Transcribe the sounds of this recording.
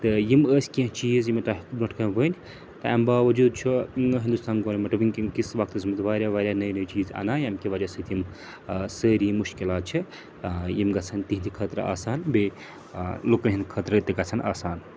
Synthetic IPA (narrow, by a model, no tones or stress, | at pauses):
t̪ɨjiməːsʲkĩt͡ʃiːzjimet̪aːɦkbnɐʈʰkɐnʋənʲ | t̪ɐa̰mbaːʋɐd͡ʒuːd̪̚t͡ʃʰuɦind̪ust̪aːnɡoɾmeʈɐbinkikisʋɐkʰt̪əsmt̪ʋaːɾʲjaʋaːɾʲjanɐjnəjt͡ʃiːza̰naːjɐmkiʋɐd͡ʒasət̪jim | səɾimuʃkilaːt̪̚t͡ʃʰi | jimɡɐt͡sʰɐnt̪iɦind̪ikʰət̪ɾɐ̰a̰ːsaːnbe | loknɦind̪kʰət̪ɾət̪iɡɐt͡sʰɐna̰ːsaːn